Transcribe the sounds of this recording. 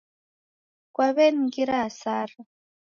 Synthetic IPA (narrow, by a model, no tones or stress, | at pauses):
kwaβɛnŋkiɾasaːra